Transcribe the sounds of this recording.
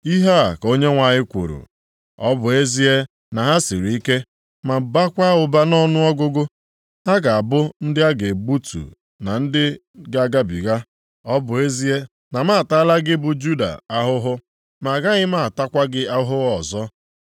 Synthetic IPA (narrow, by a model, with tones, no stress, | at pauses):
i˦ɦa˦a˨ko˦ɲe˦ŋʷa˨ɲɪ˦kʷṵ˨ɾṵ˨ | ɔ˦bʊ˨e˦zi˦e˦ | na˨ɦa˦si˨ɾi˨i˦ke˦ | ma˨ba˦kʷa˦ʊ˨ba˦nɔ˦nʊ˦ɔ˦ɡʊ˦ɡʊ˦ | ɦa˦ɡa˨a˨bʊ˦n̩˦dɪ˦a˦ɡe˨bu˦tṵ˨ | na˨n̩˦dɪ˦ | ɡa˦ɡa˦bḭ˨ɣa˦ | ɔ˦bʊ˨e˦zi˦e˦ | na˨ma˦a˨ta˦la˦ɡɪ˦bʊ˨d͡ʒu˦da̰˨a˦ɦʊ˦ɦʊ˦ | ma˨ɡa˦ɣɪ˦ma˦˨a˨ta˦kʷa˦ɡɪ˦a˦ɦʊ˦ɔ˨zɔ˦